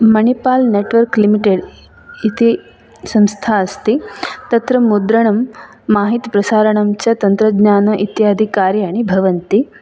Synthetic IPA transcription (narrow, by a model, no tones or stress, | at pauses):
mɐnipaːlneːʈʋɐɾklimiʈeɖ | it̪i | sɐ̃mst̪ʰaːɐst̪it̪ɐt̪ɾɐmud̪ɾɐɳ̃ɐmː | aːɦit̪pɾɐsaːɾɐɳɐmt͡ɕɐt̪ɐnt̪ɾɐɡɲaːnɐʔit̪jaːd̪ʱikaːɾjaːɽ̃ibʱɐʋɐnt̪i